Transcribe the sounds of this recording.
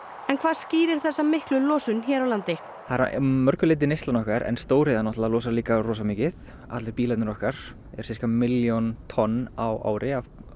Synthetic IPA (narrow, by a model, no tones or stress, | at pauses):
ɛnkʰvaːðsciːɾɪɾ̥θɛsːamɪhklʏlɔːsʏnçɛːɾawlant̪ɪ | haɾa̰mœɾkʏlɪːt̪̬ɪnejst̪anɔhkaɾɛ̰nst̪oːwɾɪːðanɔht̪laðlɔːsaliːkarɔːsamiːcɪθ | a̰t̪lɪɾpiːlɛt̪nɪɾɔhkaɾ̥ | ɛ̰ɾ̥ɪr̥kamɪljont̪ʰɔnːawa̰ːwɾɪav